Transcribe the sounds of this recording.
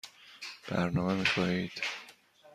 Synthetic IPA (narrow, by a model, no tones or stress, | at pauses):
b̥æ̰ɾnɒːmemixɒiːd̪̥